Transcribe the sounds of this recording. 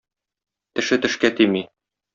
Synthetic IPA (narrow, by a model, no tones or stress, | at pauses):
t̪ɘ̆ʃɘt̪ɘ̆ʃkæt̪imi